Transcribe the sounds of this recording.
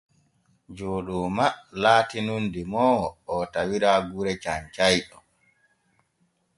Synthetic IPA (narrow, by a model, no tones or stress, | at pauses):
d͡ʒoːɗumalaːtinundimɔːɔtawiɾaɡuɾɛt͡ʃaɲt͡ʃajɗɔ